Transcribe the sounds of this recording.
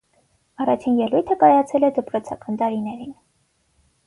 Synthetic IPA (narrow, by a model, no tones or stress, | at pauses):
ɑrɑt͡ʃʰinjɛlujt̪ʰəkɑjɑt͡sʰɛlɛd̪əpɾɔt͡sʰɑ̰kɑnt̪ɑɾinɛɾin